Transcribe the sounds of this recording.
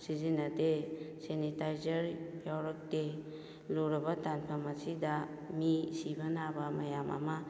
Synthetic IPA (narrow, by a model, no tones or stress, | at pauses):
sizinɐdesenitajzɐɾpʰjawɾɔk̚de | luɾɐbɐtanpʰamasida | misibanabamɐjama̰ma